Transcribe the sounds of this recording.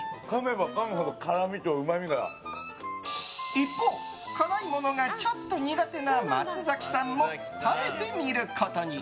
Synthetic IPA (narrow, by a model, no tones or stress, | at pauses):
kame̞bakaŋɯɦod̪okaɾamʲit̪oɯ̟mamʲiɡaɾa̰ | ipːoː | kʰaɾaimo̞no̞ɡat͡ɕot̪ːo̞ɲ̟iɡat̪e̞nama̰t͡sɨzakʲi̥sãmːo̞ | kabet̪e̞ɲiɾɯ̟kʰot̪oɲ̟i